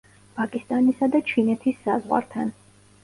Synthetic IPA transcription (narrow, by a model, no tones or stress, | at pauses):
pʼakʼist̪ʼanisad̪at͡ʃʰinɛt̪ʰisːazʁwa̰ɾt̪ʰan